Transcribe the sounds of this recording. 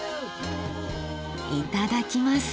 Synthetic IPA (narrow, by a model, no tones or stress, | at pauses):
it̪ad̪akʲimas